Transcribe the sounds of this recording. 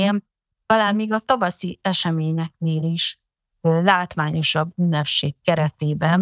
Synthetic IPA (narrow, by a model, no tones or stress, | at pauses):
ɛn | t̪ɒlaːmiːɡɒt̪ɒvɒsiɛʃɛmeːɲɛk̚neːliʃ | øːlaːt̪ʋaːɲo̞ʃɒbːynːɛpʃeːkːɛɾɛt̪eːbɛn